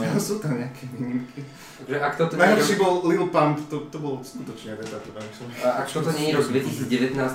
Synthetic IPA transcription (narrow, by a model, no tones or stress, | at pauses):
asuːt̪amɲɛakʰɛʋiːɲimkʰi | tt̪aɡʒɛʔakt̪ɔt̪ɔɲnajɦlɔʃiːbɔlˠlilpampt̪ɔt̪ɔbɔlɔskut̪ɔt͡ʃɲɛd̪ɛt̪at̪uʋamisɔmaʔakt̪ɔt̪ɔɲɛɲiɾɔɡd̪ʋɛcisiːd͡zɟɛʋɛt̪naːs